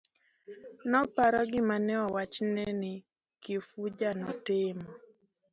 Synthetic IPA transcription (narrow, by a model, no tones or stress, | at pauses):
nɔpaɾɔɡɪmanɛɔwat͡ʃnɛnɪ | kɪfud͡ʒanɔtɪmɔ